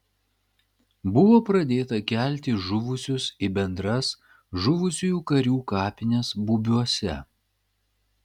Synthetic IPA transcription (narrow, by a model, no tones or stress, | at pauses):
bʊʋoːpɾɐd̪ʲeːt̪ɐkʲæˑlʲt̪ʲɪʒʊʋʊsʲʊsɪbʲɛnd̪ɾɐs | ʒʊʋʊsʲujuːkɐɾʲuːkɑːpʲɪnʲesbubʲuɔsʲɛ̰